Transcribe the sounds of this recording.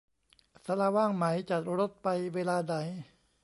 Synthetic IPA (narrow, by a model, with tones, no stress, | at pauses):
sa˧laː˧waː˥˩ŋma˩˦jt͡ɕa˨˩t̪̚ɾo˦˥t̪̚pa˧jweː˧laː˧da˨˩˦j